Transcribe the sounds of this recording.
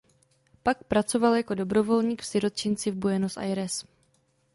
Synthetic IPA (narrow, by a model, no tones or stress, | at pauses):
pak̚pɾat͡so̞valjako̞do̞bɾo̞vo̞lɲiːkfsɪɾot͡ʃɪnt͡sɪvbojɛnosʔa̰jɾɛs